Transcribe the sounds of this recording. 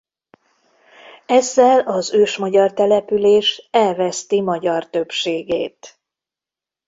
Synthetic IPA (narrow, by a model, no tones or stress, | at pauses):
ɛzːɛlɒzøːʃmɒɟɒrt̪ɛlɛpyleːʃɛlvɛst̪imɒɟɒrt̪ø̞bʃeːɡḛːt̪